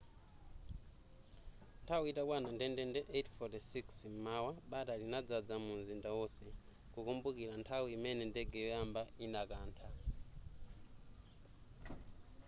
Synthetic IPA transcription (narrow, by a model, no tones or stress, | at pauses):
ntʰawiitakwanandɛndɛndɛʔetʰfɔtisiksm̩mawaɓatalinad͡zad͡zamunzindawɔsɛ | kukumbukiɾantʰawiimɛnɛndɛɡɛjɔjambainakaːntʰa